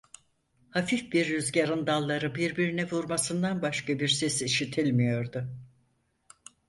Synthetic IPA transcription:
hafifbiɾːyzɟaɾɯnd̪alˠːaɾɯbiɾbiɾinɛvuɾmasɯnd̪anbaʃkabiɾsɛsiʃit̪ʰilʲmijo̞ɾd̪ʊ

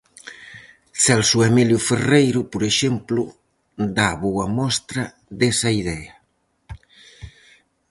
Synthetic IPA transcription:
sɛlsuemiljʊferejɾʊpoɾeʃemplʊ | d̪aβowɐmɔst̪ɾɐ | d̪esɐiðɛɐ

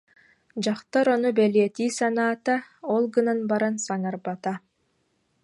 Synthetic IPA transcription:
d͡ʑaχt̪aɾɔnubɛliɛt̪iːsanaːt̪aɔlˠɡɯnanbaɾansaŋaɾbat̪a

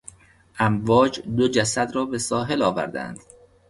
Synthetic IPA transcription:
ʔæmvɒːd͡ʒd̪od͡ʒæsæd̪ɾɒːbe̞sɒːɦe̞lɒːvæ̰ɾd̪æ̰nd̪̥

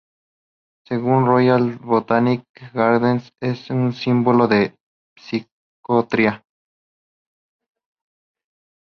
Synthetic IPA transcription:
seɣunrojalβot̪anik̚ɡaɾd̪ensesunsimboloðe | psi | kot̪ɾia

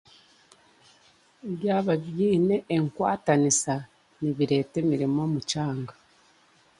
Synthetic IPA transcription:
βjaːβaβjiːneʔːŋkwa̰ːtanisa | niβiɾe̞te̞miɾimo̞ːmucaːŋɡa

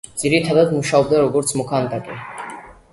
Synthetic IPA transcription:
d̪z̥iɾit̪ʰad̪ad̪muʃaɔb̚d̪aɾɔɡɔɾt̪sʰmɔkʰand̪ʼakʼḭ

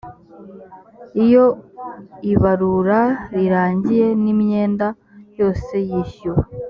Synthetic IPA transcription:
ijo̞ | iβaɾuɾaɾiɾaːɲɟije̞nimɲe̞ːnda | jo̞ːse̞jiːçuwa

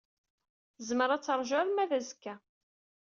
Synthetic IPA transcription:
zməɾat͡sːəɾˤʒaɾmæðæzkːæ

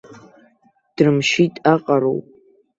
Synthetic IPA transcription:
d̥rɨmʃitʼaqʼaɾo̰wpʼ

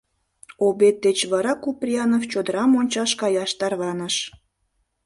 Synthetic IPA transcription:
obet̪̚ːet͡ɕβɑɾɑkuprʲiɑnoft͡ɕod̪əɾɑmonʲt͡ɕɑʃkɑjɑʃt̪ɑrβɑnəʃ

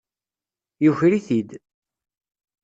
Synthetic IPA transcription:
juçɾiθid̪

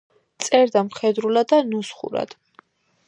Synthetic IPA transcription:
t̪sʼɛɾd̪amχɛd̪ɾulad̪ːanusχṵɾa̰d̪̥

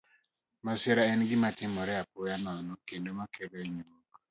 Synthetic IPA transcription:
maseɾaɛnɡɪmatɪmɔɾɛapɔjanɔnɔkendomakeɾeɲuok

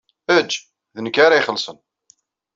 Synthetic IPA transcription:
æd͡ʒː | ðənəkːaɾajχəlːsˤən

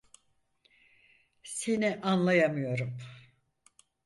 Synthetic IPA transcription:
siniʔanlˠajamɯjo̞ɾum

